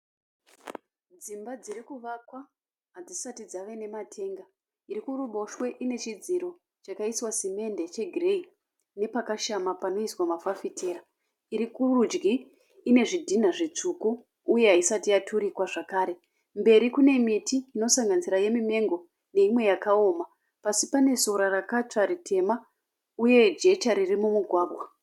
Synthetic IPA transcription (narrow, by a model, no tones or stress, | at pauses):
d͡zimbad͡ziɾikuʋakwa | ɦad͡zisatid͡zaʋene̞matʰe̞ːŋɡa | iɾikuruɓo̞ʃwe̞ʔine̞t͡ʃid͡ziɾo̞ | t͡ʃakaiswasime̞nde̞t͡ʃe̞ɡʱirei | ne̞pakaʃamapano̞iswamafafitʰe̞ːɾa | iɾikurud͡ʒɡiː | ne̞ʐidʱin̤aʐet͡ʂukuː | je̞ɦaisatijatʰuɾikwaʐakaːɾe̞ | mbe̞ɾikune̞mitiːno̞saŋɡanisiɾaje̞mime̞ŋɡo̞ | ne̞imwe̞jakao̞ːma | pasipane̞so̞ɾarakat͡ʂaɾitʰe̞ma | uje̞d͡ʒe̞t͡ʃaɾirimumuɡʱwaːɡʱwa